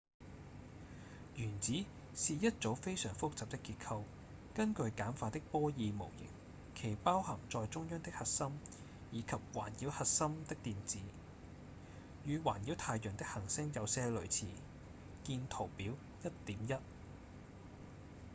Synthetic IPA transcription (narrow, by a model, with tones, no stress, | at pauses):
jyː˨˩nt͡siː˨˥ | siː˨˧jɐ˥t̚t͡so˨˥wfe˥jsœː˨˩ŋfʊ˥k̚t͡saː˨p̚t̪ɪ˥kːiː˧t̚kʰɐ˧w | kɐ˥nkɵ˧ɥkaː˨˥nfaː˧t̪̚ɪ˥k̚pɔː˥jiː˨˧mo̰˨˩wjɪ̰˨˩ŋ̚ | kʰe˨˩jpaː˥whɐ˨˩ŋt͡sɔː˨˧jt͡sʊ˥ŋjœː˥ŋt̪ɪ˥k̚hɐ˨t̚sɐ˥m | jiː˨˧kʰɐ˨p̚wa̰ː˨˩njiː˨˥whɐ˨t̚sɐ˥mt̪ɪ˥k̚t̪iː˨nt͡siː˨˥ | jyː˨˧wa̰ː˨˩nji˨˥wt̪ʰaː˧jœ˨˩nt̪ɪ˥k̚hɐ˨˩ŋsɪ˥ŋjɐ˨˧wsɛː˥lɵ˨˩ɥt͡sʰiː˨ | kiː˧nt̪ʰo˨˩wpiː˨˥w | jɐ˥t̚t̪iː˨˥mjɐ˥t̚